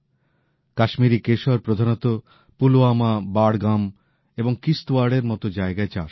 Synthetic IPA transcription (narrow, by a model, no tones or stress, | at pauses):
kaʃmiɾikeʃaɾpɾod̪ʱanot̪o | puloamabaɽɡam | eboŋkist̪oaɽeɾmɔt̪od͡ʑaeɡaet͡ɕa̰ʃ